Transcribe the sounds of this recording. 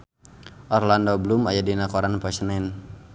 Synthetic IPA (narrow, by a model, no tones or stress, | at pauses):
ʔɔrlandɔbəlumajadinakɔɾanpasənɛn